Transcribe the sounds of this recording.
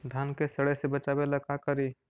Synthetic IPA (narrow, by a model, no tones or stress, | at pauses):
d̪ʱankesəɽəjsebət͡ʃabeləkakəɾi